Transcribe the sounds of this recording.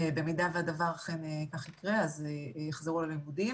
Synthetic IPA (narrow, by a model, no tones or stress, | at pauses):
bemidaveadavaʁaχenekaχikʁeazejeχzeʁulalimudim